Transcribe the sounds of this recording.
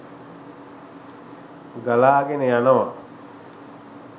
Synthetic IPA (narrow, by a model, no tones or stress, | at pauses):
ɡalaːɡenəjanəʋa